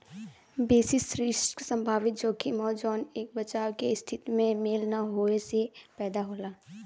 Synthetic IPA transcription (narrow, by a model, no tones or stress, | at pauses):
beːsɪsɾɪʃʈksə̃mbʱaːʋɪt̪̚d͡ʒoːkimɔːd͡ʒɔːneːk̚bɐt͡ʃaːwkeɪst̪ʰɪt̪imẽmeːlnaɦoːesepɛːd̪aɦoːlaː